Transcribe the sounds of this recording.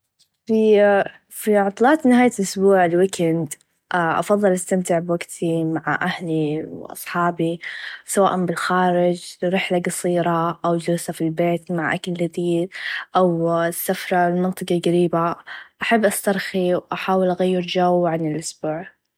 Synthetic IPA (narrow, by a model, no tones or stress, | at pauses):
fi | fiʕɑt̪ˤlɑːt̪nɪhaːjalʔʊsbuːʕɪlwikɪnd̪ | ʔaʔɑ̰fɑðˤːɨlʔast̪amt̪ɪʕbwaɡt̪ʰimaʕaʔahliwʔɑ̰sˤħɑːbisawa̰ːʔambɪlxaːɾɪd͡ʒɾɪħlaɡɑsˤiːɾɑʔawd͡ʒɪɾsafilbeːt̪maʕʔa̰kald͡ʒad̪iːd̪ʔawsːafɾˤɑɪlmɪnt̪ˤɑqɑlɡaɾiːbaʔaħabːʔast̪ɑɾˤxiwʔaħaːwɪlʔaɣajːɪɾd͡ʒawʕanɪlʔʊsbuːʕ